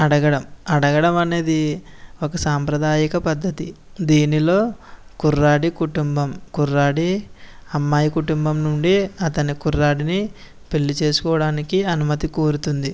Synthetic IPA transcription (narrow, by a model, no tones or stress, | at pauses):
ɐɽɐɡɐɽɐmɐɽɐɡɐɽɐmɐne̞ːd̪iokɐsaːmpɾɐd̪aːjikɐpɐd̪ʱːɐt̪id̪iːnilo̞ːkurːaːɽikuʈumbɐmkurːaːɽiɐmːaːjikuʈumbɐmnuɳɖiɐt̪ɐnikuɾːaːɽini | pelːut͡ʃe̞ːsu̥kɔːɐɽaːnikiɐnumɐt̪ikoːɾut̪und̪i